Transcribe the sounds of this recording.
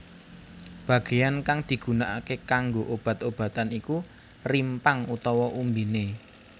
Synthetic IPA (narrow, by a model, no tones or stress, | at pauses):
b̥ä̤ɡ̥e̤jankaŋd̪̥i̤ɡ̥ṳnaʔakekaŋɡoʔob̥ä̤t̪̚ob̥ä̤t̪aniku | rimpaŋut̪ɔwɔʔumbine